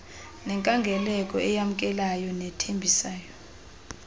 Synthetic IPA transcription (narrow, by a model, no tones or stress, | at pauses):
nɛŋkʼaŋɡʱɛlɛkʼɔɛjam̩kʼɛlajɔnɛtʰembʱisaːjɔ